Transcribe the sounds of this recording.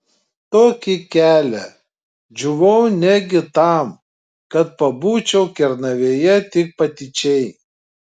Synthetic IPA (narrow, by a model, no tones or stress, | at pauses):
t̪oːkʲɪkʲæːlʲɛ | d͡ʒʲʊʋɐʊnʲæɡʲɪt̪ɑˑm | kɐt̪̚pɐbuːt͡ʃʲɛʊkʲɛɾnɐʋʲeːjɛt̪ʲɪk̚pɐt̪ʲɪt͡ʃʲɛɪ